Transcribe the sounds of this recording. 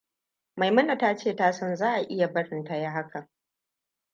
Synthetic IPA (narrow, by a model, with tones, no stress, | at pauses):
ma˨jmɐ˦na˨taː˦t͡ʃeː˦˨taː˦sɔ˦nzaː˦ʔa˨ʔɪ˦ja˨bɐ˦ɽɪ˨ntɐ˦ja˦ɦa˦kʰɐ˨